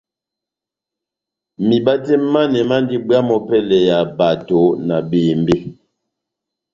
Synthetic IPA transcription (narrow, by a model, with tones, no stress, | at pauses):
mi˨ba˦tɛ˦ma˦nɛ˨ma˦n˦di˦bja˦mɔ˦pɛ˦lɛ˨ja˨ba˨to˨˦na˨beː˨mbe˦